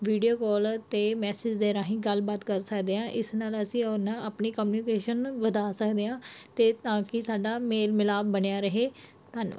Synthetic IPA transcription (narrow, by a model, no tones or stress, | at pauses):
ʋiːɖijoːkɔːlt̪eːmɛːsɪd͡ʒd̪eːɾãːɦĩːɡəlbaːt̪kəɾsəkd̪eːãːʔɪsnaːləsĩːɔnãːpniːkəmːnikeːʃənʋəd̪aːsəkd̪eːãːt̪eːt̪ãːkɪsaːɖaːmeːlmɪlaːbbəɳjaːɾəɦeː | t̪ənʋa̰